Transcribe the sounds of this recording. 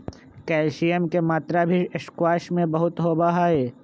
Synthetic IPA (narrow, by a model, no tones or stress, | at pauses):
kɛːlʃijəmkemaːt̪ɾabʱiɪʃkwaːʃmẽbɐɦʊt̪ɦoːbaɦaːeː